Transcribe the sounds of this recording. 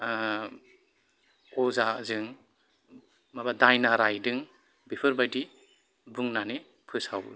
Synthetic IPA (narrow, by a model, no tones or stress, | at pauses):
ɔzazɯŋ | mabadajnaɾajdɯŋ | bipʰɯɾbajdi | buŋnane | pʰɯsaw